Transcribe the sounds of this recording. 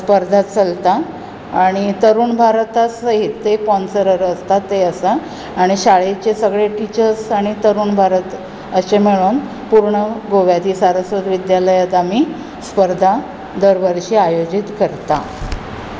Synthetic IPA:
spəɾd̪ʱat͡səlt̪a | aɽ̃it̪əɾuːnbʱaɾt̪asəɦit̪ːepɔnsəɾəɾəst̪at̪ːeəsaː | ɽ̃iɕaɭet͡ɕesəɡɭeʈit͡ɕəɾsaɽ̃it̪əɾuːnbʱaɾət̪ | əɕemeɭuːn | puɾɳəɡoʋjat̪iːsaɾəsɾəd̪ʋid̪jaləjad̪amiː | spəɾd̪ʱa | d̪əɾʋəɾɕiːajod͡ʑit̪kəɾt̪a̰

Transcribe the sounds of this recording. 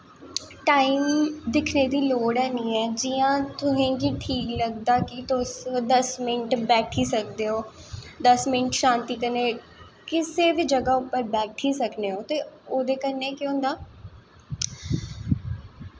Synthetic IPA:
ʈaːiːmd̪ɪkʰneːd̪iːloːɽɛːniːɛːd͡ʒiːãːt̪ʊɦẽːkiʈʰiːkləɡd̪aːkɪt̪osd̪əsmɪɳʈbɛːʈʰiːsək̚d̪eːoːd̪əsmɪɳʈʃãːnt̪iːkəneː | kɪseːbiːd͡ʒəɡaːʊpːəɾbɛːʈʰiːsəkneːɦoːt̪eːoːd̪eːkəɾneːkjoʊ̃ːnd̪aː

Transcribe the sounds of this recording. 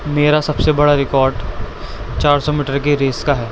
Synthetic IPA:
meːɾasɐbsebɐɽaɾɪkɔːɾɖ | t͡ʃaːɾsɔmiːʈəɾkeɾeːskaɦɛː

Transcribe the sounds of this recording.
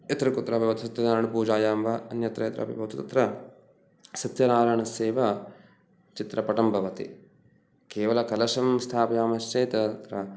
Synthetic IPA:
et̪ɾɐkut̪ːɾɐbʱɐʋɐt̪isɐt̪jɐnaːɾɐɳɐpuːd͡ʒaːjaːmʋɐɐnjɐt̪ɾɐet̪ɾʔɐ̰bḭbʱɐʋt̪it̪ɐt̪ɾɐ | sɐt̪jɐnaːɾɐɳɐseːʋɐ | t͡ʃit̪ɾɐpɐʈɐmbʱɐʋɐt̪ḭ | keːʋɐlɐkɐlɐʃɐmst̪ʰaːpɐjaːmɐʃt͡ʃeːt̪ɐɐt̪ɾɐ

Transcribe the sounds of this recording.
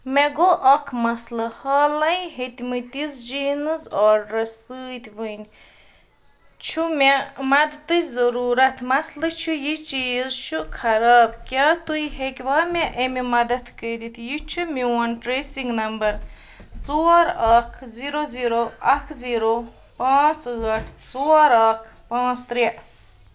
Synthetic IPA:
meɡoʔɐkʰmɐslɐhɐːlɐjɦet̪ʲmɨt̪izd͡ʒiːnɨzɔːɾɾɐsɨːt̪ʲʋɨnʲ | t͡ʃʰumemɐd̪t̪ɨzɐɾuːɾɐt̪ʰmɐslɐt͡ʃʰujit͡ʃiːzt͡ʃʰukʰɐɾaːbkʲaːt̪uiɦekʲʋaːmʲeʔemimɐd̪ɐt̪kəːd̪it̪jit͡ʃʰumiwɐnʈɾeːsiŋɡnɐmbɐɾ | t͡soːɾaːkʰziːɾoziːɾoɐkʰziːɾo | pãːt͡sɣɐʈʰt͡soːɾaːkʰ | pãːt͡st̪ɾiʔ

